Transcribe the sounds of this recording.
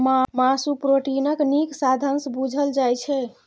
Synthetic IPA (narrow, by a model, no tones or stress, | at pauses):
mamasupɾoʈinəkniksad̪ʱənsbud͡ʒʱəld͡ʒajt͡ʃʰɛ